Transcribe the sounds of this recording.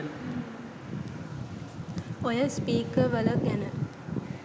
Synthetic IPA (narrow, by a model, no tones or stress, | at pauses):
ojəspiːkəʋɐləɡɛnə